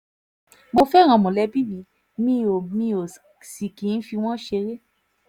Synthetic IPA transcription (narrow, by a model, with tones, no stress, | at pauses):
mo˧fɛ˦˨ɾ̃ã˨˧˨mɔ̃˨lɛ˧˦bi˦mĩ˧ | mĩ˧˦o˨mĩ˧o˨ | si˨kĩ˨˦n̩˦fi˧w̃ɔ̃˦ʃe˧ɾe˦